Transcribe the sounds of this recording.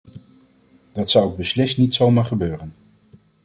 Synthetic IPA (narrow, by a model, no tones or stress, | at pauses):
d̥ɑtsʌwɪɡ̚bəslɪstnitsowmaːɹχəbøːrən